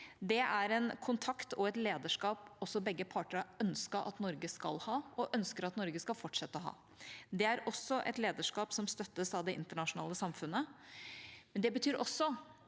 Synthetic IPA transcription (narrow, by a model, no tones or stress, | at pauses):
d̪ɛæɾɛnkʰʊnt̪ʰɑkt̪ɔɛt̪leːd̪əʂkɑːpɔsːɔbɛɡːəpʰɑːʈəɾɑœnskəʔɑ̰t̪nɔɾɡəskɑ̰lhɑːɔʔœnskəɾɑt̪nɔɾɡəskɑlfɔʈʂɛt̪ːəɔɦɑ̰ː | d̪ɛæɾɔsːɔʔɛ̰t̪leːd̪əʂkɑːpsɔmst̪œt̪ːəsɑʋd̪ɛɪnt̪əɳɑʂʊnɑ̰ːləsɑmfʉnːə | mɛnd̪ɛbət̪ʰyːɾɔsːɔ